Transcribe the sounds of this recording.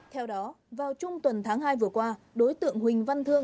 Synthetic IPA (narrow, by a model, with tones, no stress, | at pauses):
t̪ʰɛ˧wɗɔ˨˦ | vaː˨˩wt͡ɕʊ˧ŋ͡mt̪wə˨˩nt̪ʰaː˨˦ŋɦaː˧jvɨ˨˩əkwaː˧ | ɗo˨˦jt̪ɨ̰˧˨əŋhwï˨˩ŋ̟va˧nt̪ʰɨ˧əŋ